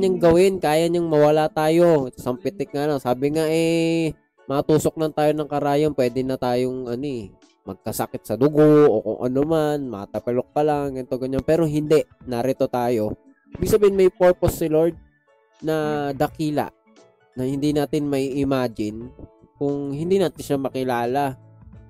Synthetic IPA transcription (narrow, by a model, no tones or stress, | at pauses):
ɲaŋɡɐwɪnkaːjaɲaŋmɐwɐlat̪aːjo̞sɐmpɪt̪ɛk̚ŋalaŋsaːbɪŋaʔɛ | mɐɐt̪uːsok̚lɐnt̪aːjo̞nɐŋkɐɾaːjonpwɛːd̪ɛnɐt̪aːjoŋʔɐnoɛ | mɐɡ̚kɐsɐkɪt̪̚sɐd̪ʊɡoʔo̰ko̰ŋʔɐ̰nomanmɐt̪ɐpɐlo̞k̚pɐlaŋɡɐnɪt̪oɡɐɲanpɛːɾo̞ɦɪnd̪ɛʔnɐɾɛt̪o̞t̪aːjo̞ | ʔibɪɡ̚sɐbɛːhɪnmɐjpoɹposːɪloɹd̪̚ | nɐd̪ɐkiːla̰ʔ | nɐhɪnd̪iːnaːt̪ɪnmɐiʔɪmaːd͡ʒɪn | kʊŋhɪnd̪iːnaːt̪ɪnʃamɐkɪlaːla